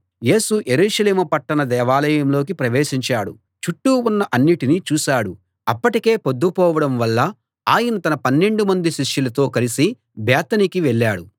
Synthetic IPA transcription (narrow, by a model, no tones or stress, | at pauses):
je̞ːsuje̞ɾuːʂɐleːmɐpɐʈːɐnɐd̪ɛːʋaːlɐjɐmlo̞ːk̬ipɾɐʋeːʃiɲt͡ʃaːɽṵ | t͡ʃuʈːuunːɐʔɐnːiʈiniːt͡ʃuːsaːɽu | ɐpːɐʈike̞ːpod̪ːupɔːʋɐɽɐmʋɐlːɐ | aːjɐnɐt̪ɐnɐpɐnːe̞ɳɖumɐnd̪iʃiʂjulɐt̪o̞ːkɐlisi | bɛːt̪ɐnikiʋɛɭːaːɽu